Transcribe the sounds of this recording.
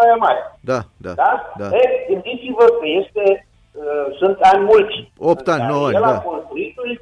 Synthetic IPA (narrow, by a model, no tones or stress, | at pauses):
ajamaɾʲd̪ad̪a̰d̪ad̪aeɡɨnd̪it͡sivəkəjest̪e | sɨnt̪anʲmult͡ʃopt̪annoaeladaponkuɾit̪ui